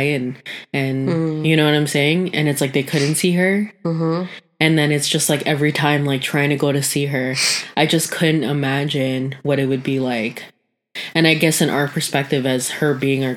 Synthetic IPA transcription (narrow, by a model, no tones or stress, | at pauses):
ɪɨ̃nɨ̃njɨñoʊwʌɾãɪ̃mseɪɪ̃ŋɨ̰̃nɨtslaɪk̚ðeɪkʰʊdⁿn̩tsiə̥˞ | ɨ̃nðɨ̃nɨtsd̥ʒ̥ʌst̚ˡlaɪkɛvɹitʰãɪ̃mlaɪk̚tʰɹ̥aɪɪ̃ŋtʰɨɡoʊɾɨsiə˞ʔaɪd͡ʒʌskʰʊdⁿn̩tɪmæd͡ʒɪ̃nwʌɾɨt̚wɨd̚bilaɪk | ɨ̃ñaɪɡɛsɨ̃nʔa̰ʊə˞pʰə˞spɛk̚tɨvɨz̥hə˞biɪ̃ŋə